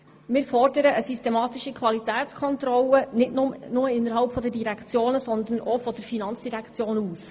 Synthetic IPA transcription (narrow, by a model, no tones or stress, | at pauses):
mɪːɾfɔrdəɾəəsystemɑːt̪ɪʃikʰʋɑlit̪æːtt͡skʰɔnt̪ɾɔlənɪtnʊmnʊməɪnːəɾɦɑlpfɔdədiɾækʰt͡sjoːnəsɔnd̪ənʔɔfɔd̥əɾfinɑnt͡sd̥iɾækʰt͡sjoːnuːs